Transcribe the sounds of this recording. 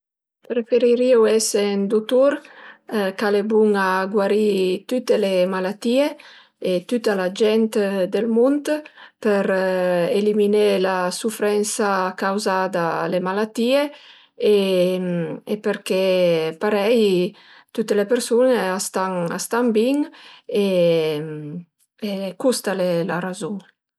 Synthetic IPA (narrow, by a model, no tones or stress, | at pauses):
ɾefeɾiɾiwɛsend̪ut̪uɾ | kalebuŋaɡwaɾit̪yt̪elemalat̪ie | et̪yt̪alad͡ʒɛnt̪d̪elmunt̪pɛɾeliminelasufɾɛnsaːkawzad̪alemalat̪iːe | e | epeɾkepaɾɛj | t̪ut̪ːelepeɾsuneast̪aŋa̰st̪aŋbiŋe | ekust̪alelaɾazuŋ